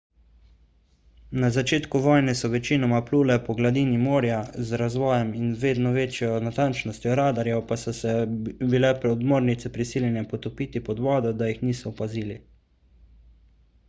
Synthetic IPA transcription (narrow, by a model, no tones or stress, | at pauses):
nazat͡ʃeːt̪kuʋɔːjnɛsɔʋɛt͡ʃiːnɔmapluːlɛpɔɡlad̪iːnimoːɾjazɾazʋɔːjɛminʋeːd̪nɔʋeːt͡ʃjɔnat̪ant͡ʃnɔst̪jɔɾaːd̪aɾjɛpasɔsɛbilɛpɾɛd̪moːɾnit̪sɛpɾisiːljɛnɛpɔt̪ɔpiːt̪ipɔd̪ʋɔːd̪ɔd̪ajixniːsɔːpaziːli